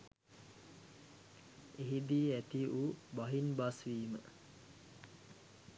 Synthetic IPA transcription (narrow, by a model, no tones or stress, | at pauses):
eɦid̪iːæt̪iʔubaɦinbasʋiːmə̰